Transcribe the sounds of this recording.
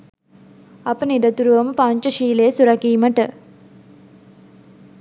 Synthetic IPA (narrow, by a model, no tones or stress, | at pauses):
apənidɐt̪uɾuʋɐməpaɲt͡ʃəʃiːlejəsuɾɐkiːməʈə